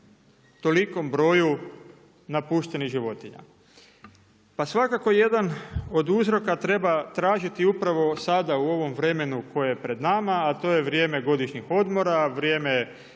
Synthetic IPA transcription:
t̪o̞liko̞mbɾo̞ːju | napuːʃt̪e̞niɣʒiʋo̞t̪iɲa̰ | pasʋakako̞je̞d̪ano̞d̪uzɾo̞kat̪ɾe̞bat̪ɾaːʒit̪iupɾaʋo̞sad̪auo̞ʋo̞mʋɾe̞me̞nuko̞jejepɾe̞d̪namaːt̪o̞ːje̞ʋɾje̞ːme̞ɡo̞d̪iʃɲixo̞d̪mo̞ɾaʋɾje̞ːme

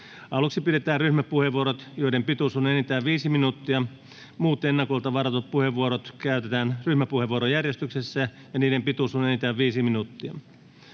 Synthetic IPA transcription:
ɑluksipiɾet̪æːrryhmæpuheʋuoɾot̪joidempit̪usunenit̪æːʋʋiːsiminut̪ːiɑ | muːt̪enːɑkolt̪ɑʋɑrɑt̪ot̪̚puheʋːuoɾot̪kæyt̪et̪æːnryhmæpuheʋuoɾojærjest̪yksesːæ | jɑniːdempit̪uˑsunenit̪æːʋʋiːsiminut̪ːiɑ

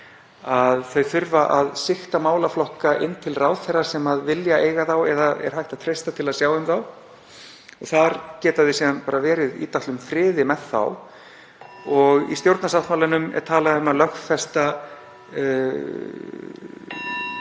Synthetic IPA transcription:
aðθœɥθʏɾvaʔaðsɪxt̪amaːwlaflɔhkaʔɪnːt̪ʰɪlraːwðθɛrːasɛmaðvɪljaeːjɣaθawɛðaɛ̰ɾ̥ɦajht̪aðt̪ʰɾejst̪at̪ʰɪlaðsjaːwɪmθaw | ɔɣθaɾcɛːt̪aðɪsiːðanpaːɾavɛːɾɪðḭːt̪aht̪ʏmfɾɪːðɪmɛðθa̰w | ɔɣḭst̪jowɾt̪nasawt̪mawlanʏmɛ̰ɾ̥t̪ʰaːlaðʏmalœxfɛst̪a

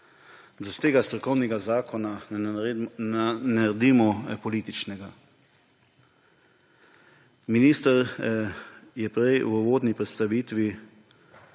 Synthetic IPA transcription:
d̪ast̪eːɡast̪ɾɔkɔwnɛɡazaːkʰɔna | nɛɾɛd̪iːmɔpɔliːt̪it͡ʃnɛɡa | miniːst̪əɾ | jɛpɾɛjwəʋoːd̪nipɾɛt̪st̪aʋiːt̪ʋi

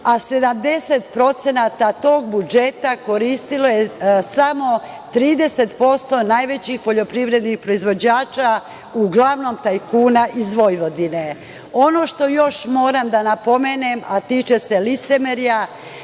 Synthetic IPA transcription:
ase̞d̪amd̪e̞set̪pɾo̞t̪senat̪at̪o̞ːɡ̚bud͡ʒe̞t̪ako̞ɾiːst̪ilo̞jesamo̞ | t̪ɾiːd̪e̞se̞t̪po̞st̪o̞najʋe̞t͡ɕixpo̞ʎo̞pɾiʋɾe̞d̪nixpɾo̞izʋo̞d͡ʑaːt͡ʃa | uɡlaʋno̞mt̪ajkuːnaʔizʋo̞jʋo̞d̪ine | o̞no̞ʃt̪o̞jo̞ʃmo̞ːɾamd̪anapo̞meːnemat̪iːt͡ʃese̞lit̪semeɾija

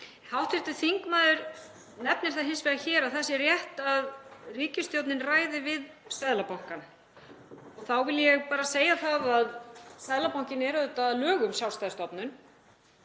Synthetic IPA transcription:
hawht̪fɪɾt̪ʏθiŋkmaːðʏɾ | nɛp̚nɪɾ̥θaðɦɪnsvɛɣaçɛːɾaðθasɛrjɛht̪aðriːcɪst̪jowt̪nɪnraːjðɪvɪð | sɛðlapawŋ̥kan | ɔɣθawvɪljɛɣpaːɾaseːjaθaðaðsɛðlapawŋ̥cɪnɛɾʏʏt̪aðlœːɣʏmsjawst̪ajðst̪ɔpnʏn

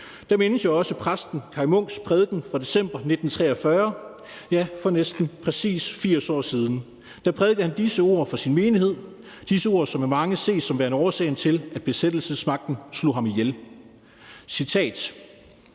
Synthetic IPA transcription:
d̥æ̈menəsjoɒ̽səpʰʁasd̥n̩kʰɑ̈ɪmɔ̽ŋ̰spʰʁɛð̞ˠɡ̥n̩fʁɑ̈d̥e̝sem̰b̥ɐne̝d̥n̩t͡sʰʁɛɐfɶɐ | jæfɒ̽nesd̥n̩pʰʁɛsḭːsfiɐ̰sɒ̰ːsiːð̞ˠn̩ | d̥æpʰʁɛðˠɡ̥əð̩ˠhænd̥isəo̝̰ɐ̰fɒ̽sinme̝ːnihe̝ð̰ˠ | d̥isəo̝ːɐ̰sɒ̽memɑ̈ŋəse̝̰ːsɒ̽mʋæɐnɒːsɛ̰ɪn̩t͡sʰe̝læd̥̚b̥e̝sed̥l̩səsmɑ̈ɡ̥̚d̥n̩slo̝̰ɦɑ̈mijel | sit͡sʰɛ̰ːd̥

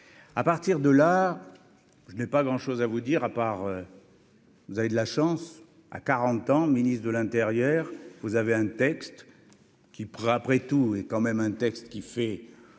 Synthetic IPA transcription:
apaʁt̪iʁd̪əla | ʒənɛpaɡʁɑ̃ʃozavud̪iʁapaʁø | vuzaved̪əlaʃɑ̃s | a̰kaʁɑ̃t̪ɑ̃minist̪d̪əlɛ̃t̪eʁjœʁvuzaveɛ̃t̪ɛkst̪ | kʲipapχɛt̪uɛkɑ̃mɛmɛ̃t̪ɛkst̪kʲifɛ

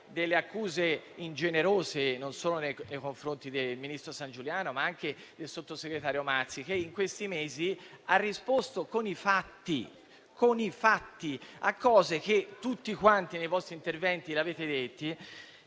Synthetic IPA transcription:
d̪elːeakːuːzeind͡ʒeneɾoːzenonsoːlonejnejkoɱfɾont̪id̪elminist̪ɾosand͡ʒuljaːnomaaŋk̟e | d̪elsot̪ːoseɡɾet̪aːɾjomat̪sːik̟eiŋkwest̪imeːziarːispost̪okonifat̪ːi | konifat̪ːia̰kːɔːzek̟et̪ːut̪ːikwant̪inejvɔst̪ɾint̪ervɛnt̪ileaveːt̪ed̪et̪ːi

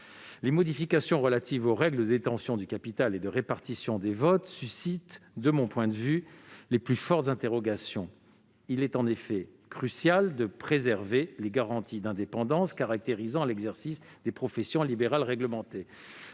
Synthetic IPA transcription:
lemɔd̪ifikasjɔ̃ʁəlat̪ivoʁɛɡləəd̪et̪ɑ̃sjɔ̃d̪ykapit̪aled̪əʁepaʁt̪isjɔ̃d̪evɔt̪sysit̪d̪əmɔ̃pwɛ̃d̪əvyleplyfɔʁt̪zɛ̃t̪eʁɔɡasjɔ̃ | ilɛt̪ɑ̃nefɛkχysjald̪əpχezɛʁveleɡaʁɑ̃t̪id̪ɛ̃d̪epɑ̃d̪ɑ̃skaʁak̚t̪eʁizɑ̃lɛɡzɛʁsis | d̪epχɔfɛsjɔ̃libeʁalʁɛɡləmɑ̃t̪e

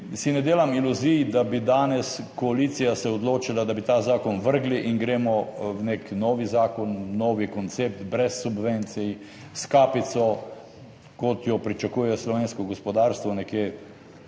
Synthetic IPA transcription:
sinɛd̪eːlamiluzijd̪abid̪aːnɛs | kɔaliːt̪sijasɛɔd̪loːt͡ʃilad̪abit̪aːzaːkɔnʋəɾɡliʔinɡɾeːmɔwneknɔːʋizaːkɔnːɔːʋikɔnt̪seːp̚t̪bɾɛsːubʋent̪sij | skaːpit̪sɔ | kɔt̪jɔpɾit͡ʃakuːjɛslɔʋeːnskɔɡɔspɔd̪aːɾst̪ʋɔnɛkjeː

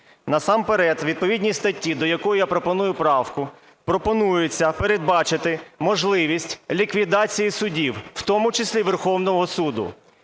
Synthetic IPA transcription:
nɐsɑmpeɾɛt̪ʋʲid̪̚pɔʋʲidʲnʲijst̪ɐtʲːid̪ɔjɐkɔjʊjapɾɔpɔnujʊpɾɑwkʊ | pɾɔpɔnujʊt͡sʲːɐpeɾed̪̚bɑt͡ʃɪt̪ɪmɔʒlˠɪʋʲisʲtʲlʲikʋʲid̪ɑt͡sʲijisʊdʲiwwt̪ɔmʊt͡ʃɪsʲlʲiʋerxɔwnɔɦɔsud̪ʊ̰

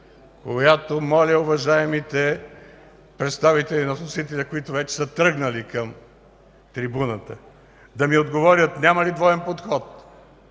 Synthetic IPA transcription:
kojat̪omɔlʲɐʊvɐʒaɛmit̪ɛ | pɾɛt̪st̪avit̪ɛlinɐsnosit̪ɛlʲɐkoit̪ʊvɛt͡ʃɛ̥sət̪ɾɤɡnɐlikɐm | t̪ɾibunət̪ə | d̪ɐmiod̪ɡovɔɾʲət̪nʲamɐlid̪vɔɛnpot̪xɔt̪̚

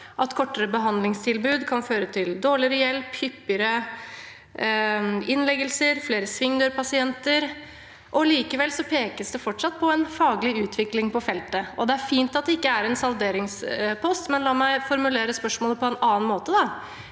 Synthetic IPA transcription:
ʔɑt̪kʰɔʈːəɾəbəɦɑnd̪lɪŋst̪ʰɪlbʉːd̪kʰɑnføːɾət̪ʰɪld̪oːɭɪəɾəjɛlphʏpːəɾə | ɪnlɛɡəlsəɾfleːɾəsʋɪŋd̪øːɾpʰɑsɪɛnt̪əɾ | ʔɔliːkəʋɛlsɔpʰeːkəsd̪ɛfɔʈʂɑt̪̚ːpʰɔɛnfɑːɡəlɪʉːt̪ʰʋɪklɪŋpɔfɛlt̪əɔd̪ɛæɾfiːnt̪ɑt̪̚d̪ɛɪkːəæɾɛnsɑld̪eːɾɪŋspʰɔst̪mɛnlɑːmæɪfɔɾmʉleːɾəspœʂmoːləpʰɔɛnɑːnmoːt̪əd̪ɑ

